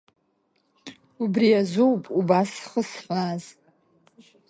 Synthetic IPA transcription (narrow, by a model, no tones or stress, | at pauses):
ubrijazowpʼubasχəsħʷaz